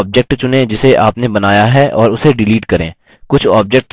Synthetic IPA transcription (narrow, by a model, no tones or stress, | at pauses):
b̚d͡ʒɛk̚ʈt͡ʃʊnẽd͡ʒɪseʔaːpnebɐnaːjaɦɛʔɔːɾʊseɖɪliːʈkɐɾḛ̃ː | kʊt͡ʃʰɔːb̚d͡ʒɛk̚ʈ